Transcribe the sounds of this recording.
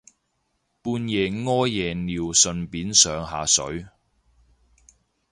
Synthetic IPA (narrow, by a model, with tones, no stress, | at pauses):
puː˧njɛː˨ŋɔː˥jɛː˨niː˨wsɵ˨˧npiː˨˥nsœː˨˧ŋɦaː˨sɵ̰˨˥ɥ